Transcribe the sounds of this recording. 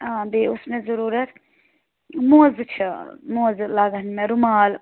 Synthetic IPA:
aːb̪eːʊsmẽzɐɾuːɾɐt̪ | mozt͡ʃʰɐmozlaːɡənmẽɾʊmaːl

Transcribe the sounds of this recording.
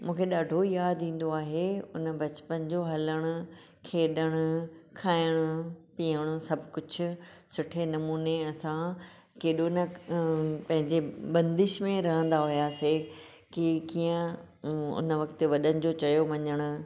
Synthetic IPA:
mũːkʰeɗaːɖʱojaːd̪ʱĩːn̆d̪oaːɦeʊnəbɐt͡ɕpənd͡ʑoɦɐləɽ̃ʊ | kʰeːɗəɽ̃ʊ̆kʰaːɪɽ̃ʊpijəɽ̃ʊsɐbʱkʊd͡ʑʰʱʊ̆ | sʊʈʰenɐmuːneɐsã | keːɗonə | pɐ̃ɦɪ̃ɲd͡ʑebɐ̃nd̪ɪʃmẽɾɐɦə̃nd̪aɦʊjaːse | kikijə̃ | ʊ̰nə̆ʋɐkt̪ʋɐɗəɽ̃ɪ̆d͡ʑot͡ɕɐjoʋɐɲəɽ̃ʊ̆

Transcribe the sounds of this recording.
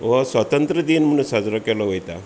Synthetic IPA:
ʋɔsʋət̪ənt̪ɾəd̪iːnm̤əɽ̃ũsad͡zɾɔkɛlɔʋojt̪a

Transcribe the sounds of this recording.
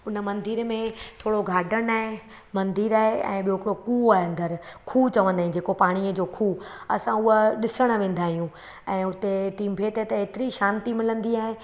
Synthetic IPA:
ʊnə̆mɐ̃nd̪iɾmẽt̪ʰoːɽoɡʱaːɖəɽ̃aːɦe | mɐ̃nd̪iːɾaːɦeɛ̰̃ːɓijoɦɪkɪɽokuːaːɦeɐ̃nd̪əɾkʰuːt͡ɕɐʋə̃nd̪aːɦĩd͡ʑeːkopaːɽ̃iəd͡ʑoːkʰuːɐsãʊɦəɗɪsəɽ̃̆ʋẽːn̆d̪aːɦijũ | ɛ̃ːʊt̪eʈiːmbʰʱeːt̪et̪ɐɦeːt̪ɪɾiʃãːnt̪imɪlə̃nd̪iaːɦe

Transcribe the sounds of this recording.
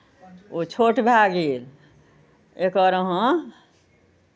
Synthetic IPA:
ot͡ʃʰoʈbʱaɡil | ekəɾəɦõ

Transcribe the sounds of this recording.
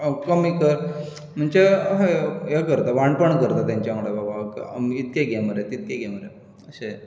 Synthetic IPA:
kəmikəɾ | m̤əɳt͡ɕeɦɦekəɾt̪aʋaɳpəɳkəɾt̪at̪jãɲt͡ɕjaŋɽababakit̪̚keɡeməɾet̪it̪̚keɡeməɾe | əɕe

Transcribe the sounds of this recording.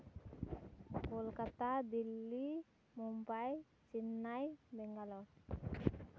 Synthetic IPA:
kulkat̪ad̪ilːi | mumpaj | sinːajbɛŋɡalɔ

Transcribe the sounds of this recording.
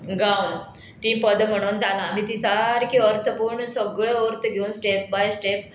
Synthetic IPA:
ɡawn | t̪ĩːpəd̪m̤əɽ̃uːnd̪alam̤it̪isaɾkiəɾt̪ʰəpuːɾɳsəɡɭeɔɾt̪ʰəɡʱeuːnsʈep̚bajsʈep

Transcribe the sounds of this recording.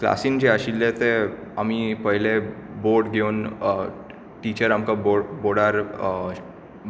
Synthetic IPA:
kla̰siːnd͡ʑeaɕilːet̪eamipəɦileboɾɖɡʱeun | ʈit͡ɕəɾamkaboboɽaɾ

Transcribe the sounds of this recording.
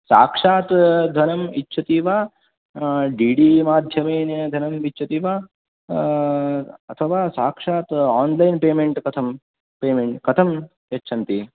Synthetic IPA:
sa̰ːkʂaːt̪d̪ʱɐnɐmitːʃʰɐt̪iːʋaː | ɖiːɖiːmaːd̪ʱjɐmɐjnɐd̪ʱɐnɐmitːt͡ʃʰɐt̪iːʋaː | ɐt̪ʰɐʋaːsaːkʂaːt̪aːnlɐjnpeːmeɳʈkɐt̪ʰɐm | peːmeɳʈkɐt̪ʰɐm | jɐtːʃʰɐnt̪i

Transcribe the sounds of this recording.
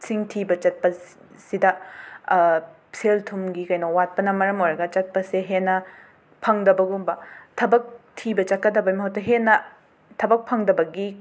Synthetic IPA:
siŋtʰibɐt͡ʃɐt̚pɐ | sidɐ | seltʰumɡikɐjnowat̚pɐnɐmɐɾɐmojɾɐɡɐt͡ʃɐt̚pɐseɦenːɐ | pʰɐŋdɐbɐɡumbɐtʰɐbɐk̚tʰibɐt͡ʃɐt̚kːɐdɐbɐjmɐɦɐwtɐɦenːɐ | tʰɐbɐk̚pʰɐŋdɐbɐɡi

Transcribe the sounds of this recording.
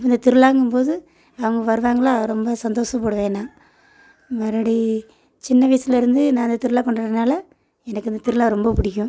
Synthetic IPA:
pːɐnd̪ɐt̪ɪɾɯlaːŋɡɯmpoːðɯ | ɐʋɐŋɡɐʋɐɾɯʋaːŋɡɐɭãːɾɔmbɐsɐnd̪oːʂɐpoːɽɯʋeːnːãː | mɐɾɐɽi | t͡ʃɪnːɐʋɐjsɪlɐɪɾɯnd̪ɯnãːɐnd̪ɐt̪ɪɾɯlaːkɔɳɖɐɐnaːlɐ | ɛnɐkːɯɐnd̪ɐt̪ɪɾɯlaːɾɔmbɐpʊɽɪkʲːʊ̃

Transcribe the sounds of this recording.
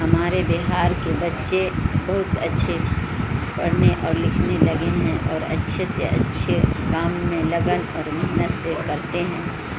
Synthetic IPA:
ɦɐmaːɾebeɦaːɾkebɐtːʃebɐɦʊt̪ɐtːʃʰe | pɐɽneʔɔːɾlɪkʰnelɐɡeɦɛ̃ʔɔːɾɐ̰tːʃʰesḛʔɐ̰tːʃʰekaːmːẽlɐɡənɔːɾmɛɦnət̪sekɐɾt̪eɦɛ̃ː

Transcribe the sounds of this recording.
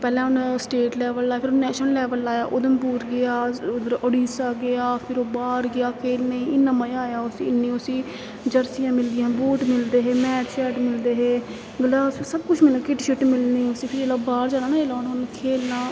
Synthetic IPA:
pɛːlãːʊnsʈeːʈlɛːʋəlaːaːpʰɪɾnɛːʃəlɛːʋəlaːjaːʔʊd̪əmpuːɾɡeaːʊd̪əɾoɽiːsaːɡɪaːpʰɪɾoːbaːɾɡɪaːkeːlneːɪnəməjaːjaːʊsiːɪnːiːʊsiː | d͡ʒəɾsijãːmɪld̪ɪjãːbuːʈmɪld̪eːɦeːmɛːʈʃɛːʈmɪld̪eːɦeː | ɡlaːssəbkʊt͡ʃʰmɪlːkɪʈʃɪʈmɪlniːʊsiːpʰɪɾd͡ʒeːlaːbaːɾd͡ʒaːɽaːnaːeːlaːnʊnkʰeːlnaː

